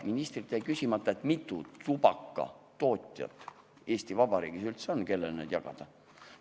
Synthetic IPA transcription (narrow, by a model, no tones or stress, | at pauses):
minist̪rit̪ːˑejkysʲimɑt̪ːˑɑe̞t̪mit̪ːˑutubɑkːɑ̰ | t̪o̞ːt̪ʲˑjɑ̰t̪ːˑ | e̞ːsʲt̪ivɑb̥ɑɾḭːɡ̥isylt̪seonke̞lːḛlnḛd̪̥jɑɡ̥ɑ̰d̪̥ɑ